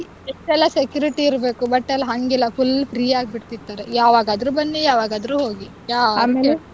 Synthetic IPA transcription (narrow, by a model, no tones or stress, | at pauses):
eʂʈɛlːɐsekjuːɾiʈiːɾbe̞ːkubɐʈːɛlːɦɐŋɡilːɐfʰulpʰɾiːaːɡ̚biʈt̪id̪ːaːɾejaːʋaːɡaːd̪ɐɾubɐnːijaːʋaːɡaːd̪ɾuɦoːɡi | jaːe